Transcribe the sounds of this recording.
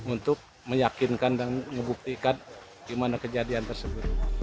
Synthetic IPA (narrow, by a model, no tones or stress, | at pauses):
unt̪ʊk̚ | məjakinkandaŋŋəbuk̚t̪ikan | ɡimanakəd͡ʒadiant̪ərsəbʊt̪̚